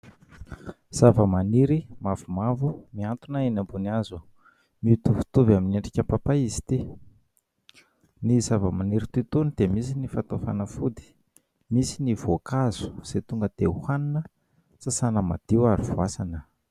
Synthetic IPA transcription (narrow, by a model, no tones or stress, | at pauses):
z̥avəmaniɾimavumavumiant̪unainambuniazu | miut̪uvu̥t̪uvamineɳɖ͡ʐi̥kʲapapaizi̥t̪i | nizavəmaniɾit̪yt̪unid̪̥emisinifat̪ofa̰nəfud̪i̥ | misinivokazu̥z̥et̪uŋɡəd̪̥euhaninə | sasanəma̰d̪̥iwaɾivuasanə